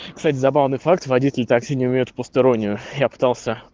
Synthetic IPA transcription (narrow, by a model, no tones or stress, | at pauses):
kst̪atʲɪzɐbavnɨjfak̚t̪vɐdʲitʲɪlʲɪt̪aksʲinʲɪʊmʲejʊt̪fpəst̪ɐɾo̞nʲːɪjʊjapɨ̥t̪alˠsʲə